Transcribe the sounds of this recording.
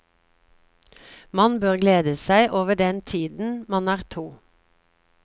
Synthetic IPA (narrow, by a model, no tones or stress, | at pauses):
mɑnbøːʁɡleːd̪əsæɪʔoːʋəɖɛnt̪ʰiːd̪n̩mɑnæːʁt̪ʰuː